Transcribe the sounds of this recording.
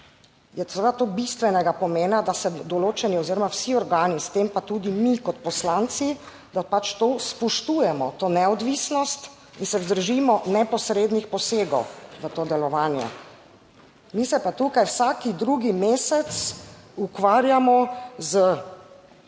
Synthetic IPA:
jɛsɛʋed̪at̪oːbist̪ʋɛnɛɡapɔmeːnad̪asɛd̪ɔloːt͡ʃɛniɔziːɾɔmawsiɔɾɡaːnist̪empat̪uːd̪imikɔt̪̚pɔslaːnt̪si | d̪apat͡ʃt̪ospɔʃt̪ujɛmɔt̪oːnɛɔd̪ʋisnɔst̪ | insɛzd̪əɾʒimɔnɛpɔsɾeːd̪nixpɔseːɡɔwʋət̪oːd̪ɛlɔʋaːnjɛ̰ | misɛpat̪ukajwsaːkid̪ɾuɡimeːsɛt̪sukʋaːɾjamɔzə

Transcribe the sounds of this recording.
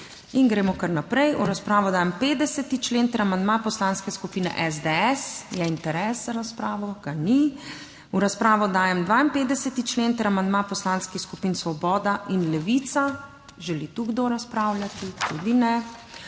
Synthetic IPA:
inɡɾɛːmɔkaɾnapɾɛjuɾaspɾaːʋɔd̪aːjɛmpeːd̪ɛsɛt̪it͡ʃleːnt̪ɛɾamand̪mapɔslaːnskɛskupiːnɛ̰ʔɛzd̪eɛsjɛint̪ɛɾɛszaɾaspɾaːʋɔɡ̥ani | uɾaspɾaːʋɔd̪aːjɛmd̪ʋaːinpeːd̪ɛsɛt̪it͡ʃleːnt̪ɛɾamand̪mapɔslanskixskupiːnsʋɔbɔːd̪aʔinlɛʋiːt̪sa | ʒɛlit̪uɡd̪oɾaspɾaːwljat̪it̪ud̪inɛ

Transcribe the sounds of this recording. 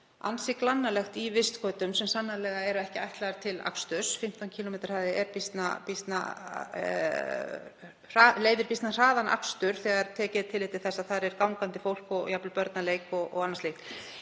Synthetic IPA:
a̰nsɪklanːalɛxt̪ivɪst̪kʰœːt̪ʏmsɛmsanːalɛɣaɛɾaɛhcɪajht̪laaɾt̪ʰɪla̰kst̪ʏsfɪm̥t̪awncʰiːlɔmejt̪aɾ̥haːðɪɛɾpist̪na̰pist̪na̰ | r̥aːleːjðɪɾpist̪nar̥aːðanʔa̰kst̪ʏɾ̥θɛɣaɾ̥t̪ʰɛːcɪðɪt̪ʰɪlɪːt̪ɪ̥θɛsːaðθaɾɛɾ̥kawŋkant̪ɪfowl̥kɔɣjaplʏpœɾt̪naleːjkɔɣɔ̰ɣanːanslejxt̪

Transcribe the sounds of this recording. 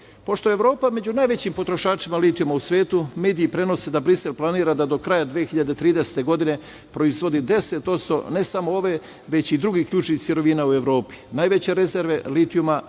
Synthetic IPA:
po̞ʃt̪o̞eʋɾo̞ːpame̞d͡ʑunajʋe̞t͡ɕimpot̪ɾo̞ʃaːt͡ʃimalit̪ijumausʋe̞ːt̪ume̞ːd̪iːpɾe̞no̞sed̪abɾise̞lplˠaniːɾad̪ad̪o̞kɾaːjad̪ʋiexiʎad̪et̪ɾiːd̪ese̥t̪e̞ɡo̞d̪ine̞ | pɾo̞izʋo̞d̪id̪e̞se̞t̪o̞t̪st̪o̰ne̞samoo̞ʋe̞ | ʋe̞t͡ɕid̪ɾuɡiːkʎuːt͡ʃnixsjiɾo̞ʋinaue̞ʋɾo̞ːpi̥najʋe̞t͡ɕe̞ɾe̞ze̞ɾʋe̞lit̪iuma

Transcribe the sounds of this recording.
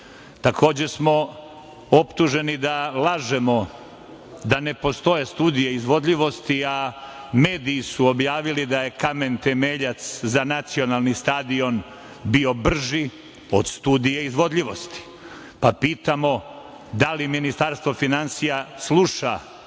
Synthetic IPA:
t̪akʰo̞ːd͡ʑe̞smo̞ | opt̪uʒe̞nid̪alˠaːʒe̞mo̞ | d̪ane̞po̞st̪o̞je̞st̪uːd̪ijeizʋo̞d̪ʎiʋo̞st̪iame̞ːd̪iːsuobjaːʋilid̪aje̞kame̞nt̪e̞me̞ːʎat̪szanat̪sio̞nalˠnist̪aːd̪io̞n | bio̞br̩ʒi | od̪st̪uːd̪ijeizʋo̞d̪ʎiʋo̞st̪i̥ | papiːt̪amo̞ | d̪aliminist̪aɾst̪ʋofinansijaslˠuʃa

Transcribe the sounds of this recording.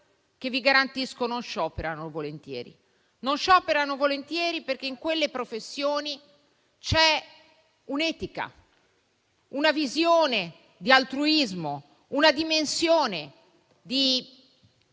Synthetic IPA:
k̟evːiɡaɾant̪iskononʃɔːpeɾanovolent̪jɛ̰ːɾḭ | nonʃɔːpeɾanovolent̪jɛːɾiperk̟eiŋkwelːepɾofesːjoːni | t͡ʃɛ | unɛːt̪ika̰ | unavizjoːne | d̪ialt̪ɾuizmo | unad̪imensjoːne | d̪i

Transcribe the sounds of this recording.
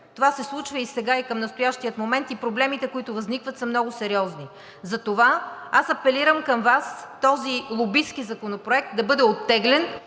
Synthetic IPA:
t̪ovasɛslˠut͡ʃvəisɛɡaikəmnəst̪ojaʃt̪iət̪momɛnt̪ipɾoblɛmit̪ɛkoit̪ʊvɐznikvət̪sɐmnɔɡʊsɛɾiɔzni | zɐt̪ovaasɐpɛliɾəmkəmvast̪ɔzilˠobiskizɐkonopɾoɛk̚t̪̚d̪ɐbɤd̪ɛot̪ːɛɡlɛn

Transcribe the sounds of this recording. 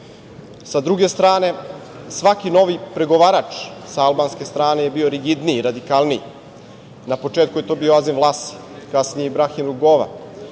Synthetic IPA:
sad̪ɾuɡe̞st̪ɾaːne̞ | sʋakino̞ʋipɾe̞ɡo̞ʋaːɾat͡ʂsaalbaːnske̞st̪ɾaːne̞je̞bio̞ɾiɡid̪niɾad̪ikalˠnij | napo̞t͡ʂet̪kuje̞t̪o̞bioazinvlˠaːst̪i̥ | kasnijeibɾaximluɡoʋa̰

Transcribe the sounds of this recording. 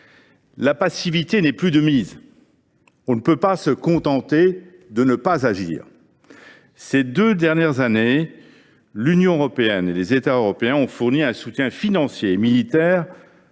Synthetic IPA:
lapasivit̪enɛplyd̪əmiz | ɔ̃nəpøpasəkɔ̃t̪ɑ̃t̪e | d̪ənəpazaʒḭːʁ | sed̪ød̪ɛʁnjɛʁzane | lynjɔ̃øʁɔpeɛnelezet̪aøʁɔpeɛ̃ɔ̃fuʁniɛ̃sut̪jɛ̃finɑ̃sjeːmilit̪ɛːʁ

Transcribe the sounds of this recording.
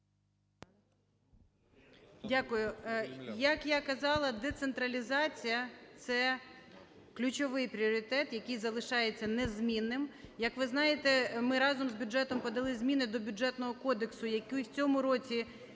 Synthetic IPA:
dʲakʊjʊjɐkjakɐzɑlˠɐd̪ɛt̪sent̪ɾɐlʲizɑt͡sʲijɐt̪sɛ | klʲʊt͡ʃɔʋɪjpɾʲiɔɾʲit̪ɛt̪jɐkɪjzɐlˠɪʃɑjet͡sʲːɐnɛzmʲinːɪmjɐkʋɪznɑjet̪ɛmɪɾɑzɔmzbʲʊd͡ʒɛt̪ɔmpɔd̪ɐlˠɪzʲmʲinɪd̪ɔbʲʊɛt̪nɔɦɔkɔd̪eksʊjɐkujt͡sʲɔmʊɾɔt͡sʲi

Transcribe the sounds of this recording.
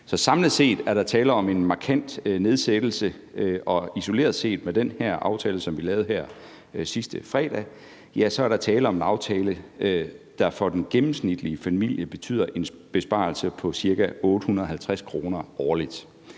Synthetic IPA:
sɒ̽sɑ̈mləð̩ˠse̝̰ːd̥æɐɾ̥ɑ̈t͡sʰɛːləɒ̽me̝nmɑ̈kʰæn̰d̥ne̝ð̞ˠsed̥l̩sə | ʔɒ̽iso̝le̝̰ːɐðˠse̝̰ːd̥med̥enhæɐ̰ʔɑ̈ʊt͡sʰɛːləsɒ̽mʋilɛːʊð̩ˠɦæɐ̰ | sisd̥əfʁɛ̰ːd̥ɛ̰ | jæsɒ̽æɐɾ̥ɑ̈t͡sʰɛːləɒ̽menɑ̈ʊt͡sʰɛːləød̥ɑ̈fɒ̽d̥enɡ̥emm̩snid̥liəfæmil̰jəb̥e̝t͡sʰy̰ð̰ˠɐʔe̝n | b̥e̝sb̥ɑ̰̈ːlsəpʰɒ̽siɐkæʔɔ̽ːd̥ɾəhunɐðˠɦhælt͡sʰʁaskʰʁo̝ːnɐɒːlid̥

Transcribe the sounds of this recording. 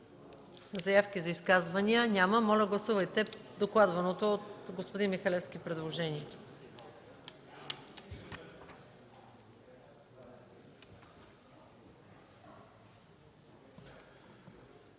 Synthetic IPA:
zɐjafkizɐiskazvɐniənʲaməmɔlʲɐɡlˠɐsuvəjt̪ɛd̪oklˠad̪vɐnot̪oːt̪ɡospod̪inmixɐlɛfskʲipɾɛd̪lˠoʒɛniɛ

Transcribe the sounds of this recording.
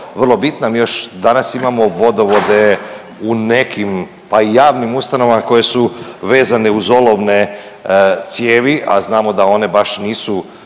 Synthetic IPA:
ʋərlˠo̞bit̪namijoʃd̪anasimamo̞ʋo̞d̪oʋo̞d̪e̞ | une̞kʰim | paijaːʋnimust̪ano̞ʋamako̞je̞suʋe̞ːzane̞uzo̞lˠo̞ʋne̞ | t̪sje̞ːʋiʔa̰znaːmo̞d̪ao̞ne̞baʃniːsu

